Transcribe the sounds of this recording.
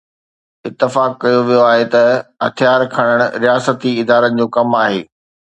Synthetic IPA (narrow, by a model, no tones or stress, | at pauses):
ɪt̪ːɪfaːkːɐjoʋijoaːɦet̪ɐɦɐ̰t̪ʰijaːɾkʰɐɽ̃əɽ̃ʊ̆ɾijaːsət̪iɪd̪aːɾənd͡ʑõːkɐmaːɦeː